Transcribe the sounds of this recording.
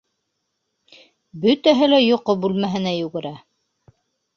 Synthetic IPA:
bɵt̪æɦɘlæjŏqobʉlmæɦɘ̆næjʉɡɘ̆ɾæ

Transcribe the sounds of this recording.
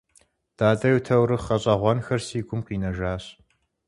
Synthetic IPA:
d̥aːtʼɐwtʰɐwɾɨχɐɕʼɐʁʷɔnxɐrsiːɡʷʊmqiːnɐʒaːɕ

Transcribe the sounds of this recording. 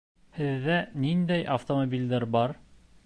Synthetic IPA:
hɘ̆ðːænind̪æjʔɐft̪omobʲilʲd̪æɾbɑɾ

